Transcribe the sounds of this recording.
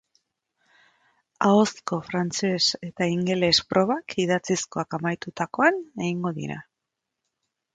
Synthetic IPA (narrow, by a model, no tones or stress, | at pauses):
ao̞sko̞fɾant͡sese̞t̪aiŋɡe̞le̞spɾʔo̞βakʰiðat͡sisko̞akamajt̪ut̪ako̞ane̞ɣiŋɡo̞ðḭɾa̰